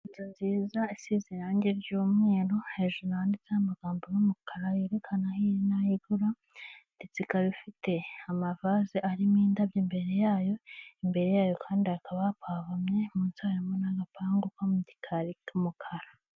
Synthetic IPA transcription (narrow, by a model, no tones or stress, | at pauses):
itonziːzaisiziɾaːɲɟeɾɟuːmŋe̞ːɾo̞heʒonaaːndit͡sehamaɡaːmbojumukʰaɾajeːɾekʰanahinajiɡuɾa | ndit͡sikaβifite̞amavaziʔaɾimiːndabjiːmbe̞ɾe̞jaːjo̞imbe̞ɾe̞jaːjo̞kʰaːndiakʰaβapʰaːβamɲe̞muːnsaaɾimonaɡapaːŋɡukamuɟi̥kʰaɾikumukʰaɾa